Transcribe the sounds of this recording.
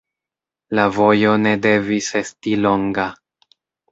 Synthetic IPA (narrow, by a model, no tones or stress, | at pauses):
lavo̞jo̞ne̞de̞vise̞stilo̞ŋɡa